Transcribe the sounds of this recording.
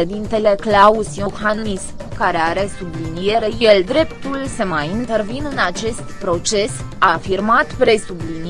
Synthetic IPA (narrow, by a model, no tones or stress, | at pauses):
e̞d̪int̪e̞le̞klausijoxannis | kaɾe̞aɾe̞sublinije̞ɾe̞je̞ld̪ɾe̞pt̪ulsəmajint̪e̞rvinɨnat͡ʃe̞st̪pɾo̞t͡ʃe̞s | afirmat̪pɾe̞sublin